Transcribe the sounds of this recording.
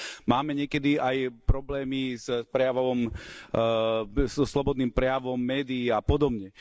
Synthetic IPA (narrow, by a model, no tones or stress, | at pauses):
maːmɛɲɪɛkɛd̪iajpɾɔblɛːmispɾɛjaʋɔʋɔm | sslɔbɔd̪niːmpɾɛjaʋɔmːɛːd̪iiapɔd̪ɔbɲɛ